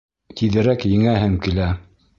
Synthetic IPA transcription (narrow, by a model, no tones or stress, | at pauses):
t̪ʰiðɘ̆ɾækjɘ̆ŋæɦɘŋkilæ